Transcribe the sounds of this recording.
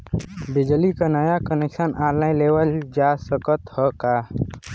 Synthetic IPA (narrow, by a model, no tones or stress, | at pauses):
bɪd͡ʒlikanəjakəneksənʔaːlaɪ̃leːwəld͡ʒaːsəkət̪həkaː